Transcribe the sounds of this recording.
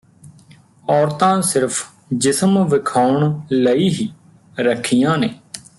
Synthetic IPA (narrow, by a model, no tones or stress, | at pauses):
ɔːɾt̪ãːsɪɾpʰ | d͡ʒɪsmʋɪkʰaːʊɳləiːɦiː | ɾəkʰːijãːneː